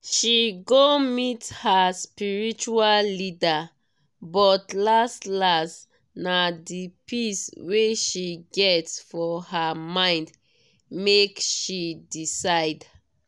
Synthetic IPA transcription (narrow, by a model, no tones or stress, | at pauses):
ʃiɡomithaspiɹit͡ʃuallida | bɔtlastlas | nadipisweʃiɡɛtsfɔhamãɪ̃nd | mekʃidisaɪd